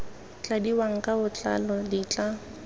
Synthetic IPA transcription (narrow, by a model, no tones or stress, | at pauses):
t͡ɬʼadiwaŋ̩kʼabʊt͡ɬʼa̰lɔdit͡ɬʼa